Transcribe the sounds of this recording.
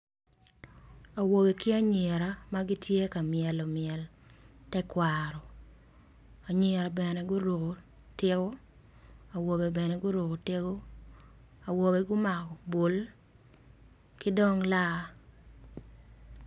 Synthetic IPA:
a˨wo˨be˨kɪ˦a˦ɲe˨ɾa˨ma˦ɡɪ˦tje˦ka˨mɪɛ˨lɔ˨mɪɛ˨ltɛ˦kwaɾɔ˨ | a˨ɲe˨ɾa˨bɛ˨nɛ˨ɡʊ˦ɾo˨ɡo˨ | tɪ˦ɡo˦ | a˨wo˨be˨bɛ˨nɛ˨ɡʊ˦ɾo˨ɡo˨tɪ˦ɡo˦ | a˨wo˨be˨ɡʊ˦ma˨kɔ˨bo˨l | kɪ˦dɔ˦ŋla˦

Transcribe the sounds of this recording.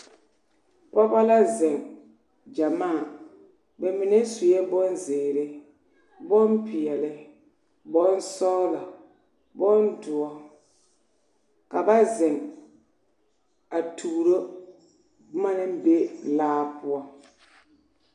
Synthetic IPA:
pɔ˦ba˦la˦zɛ˨ŋ | d͡ʒa˨maː˦a˨ | bɛ˨mɪ˨nɛ˦su˨jɛ˦bɔ˦nzeː˨ɾɪ˦ | bɔ˦mpɪ˨jɛ˨lɪ˦ | bɔ˦n˦sɔ˦la˨ | bɔ˦ndʊ˨ɔ˦ | ka˨ba˦zɛ˨ŋ | a˨tʰuː˨ɾo˦ | ma˦nɪ˦be˦laː˦pʊ˦ɔ˦

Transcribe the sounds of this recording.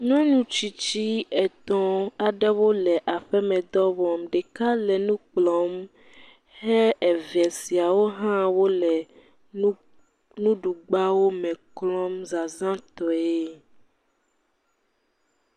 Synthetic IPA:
ɲɔ̃˦nũ˨t͡ʃi˨t͡ɕi˦ɛ˨t̪ɔ̃˦a˨ɖɛ˦wo˦lɛ˨ʔa˨ɸɛ˦mɛ̃˨d̪ɔ˦wɔ˨mɖɛ˨ka˦lɛ˨nũ˦k͡plɔ˨˦m | hɛ˦ʔɛ˨vɛ˨si˨a˨wo˦ɦã˦wo˦lɛ˨˦ | nũ˦ɖu˨ɡ͡ba˦wo˦mɛ̃˨klɔ˦mza˨zã˦t̪ɔ˨e˦

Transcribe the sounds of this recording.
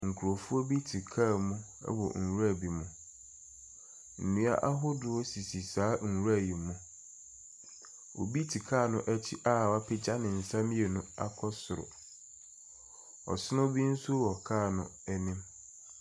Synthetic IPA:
ŋ̩˨kʰu˨ɾo˨fʊ˦ɔ˦bi˦tʰi˨kʰaː˦˨mũ˦ | ɛ̰˦wɔ̰˨ŋ̩˨wa˦˨bi˨mʊ̃˨ | n̩˨nũ˨˦a̰˦ʔa˦ɦʊ˦dʊ˨ɔ˦si˨si˨saː˨˦ŋ̩˨wu˦ɾa˦˨ji˨mũ˦ | o˨bi˦tʰi˨kʰaː˦˨nʊ̃˦ʔɛ˦t͡ɕʰi˦ʔa˦˨wa˦pʰɪ˦d͡ʑa˦nɪ̃˨n̩˨sã˦m˦e˨nʊ̃˦a̰˦kʰɔ˦sʊ˨ɾʊ̰˨ | ɔ̰˨sʊ˦nʊ̃˦bi˦n̩˦sʊ˦wɔ˨kʰaː˦˨nʊ̰̃˦ɛ˦nɪ̃˦m

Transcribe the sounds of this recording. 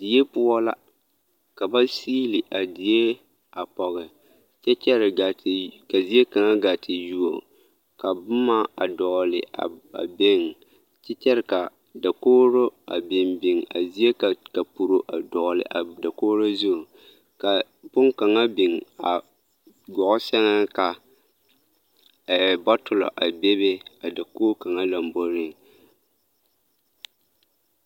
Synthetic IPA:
di˨je˦pʊ˦ɔ˦la̰˦ | ka˨ba˦siː˦lɪ˨ʔa˨di˨je˦ | a˨pɔ˨ɣɛ˨ | t͡ʃɛ˦t͡ʃɛ˦ɾɪ˨ɡa˨tɪ˨ka˨zi˦e˦ka˨ŋa˦ɡa˨tʰɪ˨ju˦o̰˨ | ka˨bʊ˦ma˦a̰˨dɔː˨lɪ̰˨a̰˨a̰˨bɪ˦˨ŋ | t͡ʃɛ˦t͡ʃɛ˦ɾɪ˨ka˨ | da˨koː˦ɾo˦a̰˨bɪ˨nbɪ˨ŋa̰˨zi˦e˦ka˨ka˨pu˨ɾo˨ʔa˨dɔː˨lɪ̰˨ʔa˨da˨koː˦ɾo˦zu˦˨ | ka˨ | bʊ˦ŋka˨ŋa˦bi˨ŋa̰˨ | ɡɔ˨ʔʊ˦sɛ˦ŋa˦ka˨ | bɔ˦tʊ˨lɔ̰˨ʔa˨be˦be˦a˨da˨koː˦ka˨ŋa˦la˨mbo˦ɾɪ˦˨ŋ

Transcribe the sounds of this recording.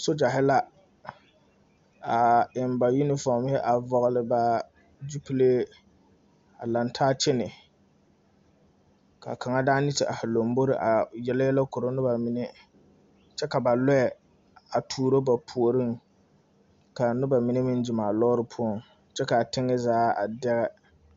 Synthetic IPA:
so˦d͡ʒa˨ɦɪ˦la˦ | a˨ɪ˨mba˨ju˦nɪ˦fɔ˨m˦ɪ˦ʔa˨vɔ˨ɣʊ˦lɪ˦ba˦ | d͡ʒu˦pi˦leː˦ | a̰˨la˨ntʰaː˦t͡ʃɪ˦nɪ˨ | ka̰˨kʰa˨ŋa˦daː˦nɪ˦tɪ˨ʔa˨ha˨lo˨m˦bo˦ɾɪ˦ʔa˨jɛ˨la˦jɛ˦la˦ko˨ɾo˦nʊ˦ba˨mɪ˨nɪ˦ | t͡ʃɛ˦ka˨ba˨lɔ˦jɛ˨ | a˨tʰuː˨ɾo˦ba˨pʰu˨o˨ɾɨ˦ŋ | ka˨nʊ˦ba˨mɪ˨˦nɪ˦mɪ˦nd͡ʒɪ˨maː˨lɔː˦ɾɨ˦pʰʊ˦ɔ˦˨ŋ | t͡ʃɛ˦ka˨tɪ˦ŋːɪ˦zaː˦a˨dɛ˦ɣɛ˦

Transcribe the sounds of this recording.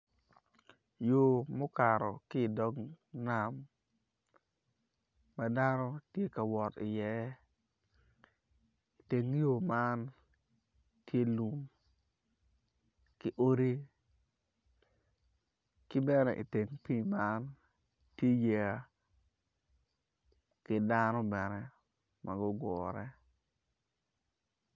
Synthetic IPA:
jo˨mo˦ka˨ɾɔ̰˨kɪ˦˨dɔ˦ŋ | na˨m | a˦da˦nɔ˦tje˦ka˨wɔ˨tɪ˨jɛ˨˦ | i˨te˨ŋjo˨ma˦n | tje˦lu˨m | kɪ˦ʔo˦ɾi˦ | kɪ˦bɛ˦nɛ̰˨ʔḭ˨te˨ŋpi˦ma˦n | tje˦je˨a˦ | kɪ˦da˦nɔ˦bɛ˨nɛ˦ | mʔa˨ɡɔ˦ɡɔː˨ɾɛ˦

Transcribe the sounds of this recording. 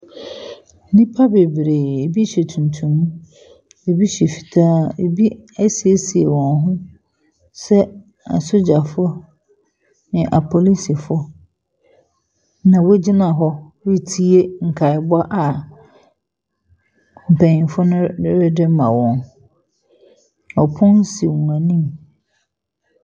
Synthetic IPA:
nĩ˦pʰa˦be˨bɾeː˨e˨bi˦ɕe˨tʰũ˨ntʰũ˨m̃˦ | e˨bi˦ɕɛ˨fi̥˨tʰaː˦ḛ˨bi˦ɛ˦si˨e˦si˨e˨wɔ̃˨nɦʊ̃˦ | sɛ˦ | a̰˨sʊ˦d͡ʑa˨fɔ˦ | nɪ̃˨ʔa˨pʰɔ˨li˦si˨fɔ˦ | nã˨wʊ˦d͡ʑi˦nã˨ɦɔ˦ | ɾi˦tʰi˦e˦ŋ̩˨kʰa˨ɪ˨bʊ˦a˦ʔa˨ | m̩˨pʰæ̃˨ɲĩ˨fʊ˦nʊ̃˦ɪ˦ɾɪ˦dɪ˦mã̰˨wɔ̃˨n | ɔ˨pʰʊ̃˦n̩˦si˨wũ˨a˨nĩ˦m

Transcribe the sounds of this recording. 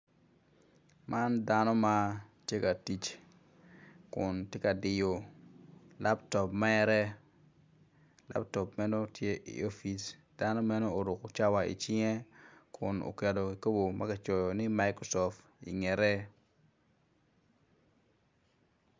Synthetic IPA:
ma˦nda˦nɔ˦ma˦tje˦ka˨ti˨t͡ʃ | kʊ˨ntje˦ka˨dɪ˨jo˨ | la˦ptɔ˨pmɛː˦ɾɛ˦ | lʔa̰˦p̚tɔ˨pmɛ˦no˦tʰje˦ʔḭ˨o˦fi˨sd̥a˦no˦mɛ˦no˦o˨ɾʊ˨ko˨t͡ʃa˦wa˨ḭ˨t͡ʃɪ˦ŋɛ˦kʰʊ̰˨no̰˨kɛ˨do˨ki˨ko˦bo˨mʔa˦ka˨t͡ʃɔ˨jɔ˨nɪ˦ma˦jkɾo˨sɔ˨ft | ḭ˨ŋɛ˨ɾɛ˦

